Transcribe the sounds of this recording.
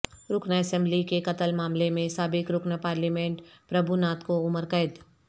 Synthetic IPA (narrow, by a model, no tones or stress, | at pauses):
ɾʊknaɛsɛ̃mblikekɐt̪əlmaːmlemẽsaːbɪkɾʊknapaːɾliːmẽːɳʈpɾɐbʱunaːt̪koʊməɾkəɪd̪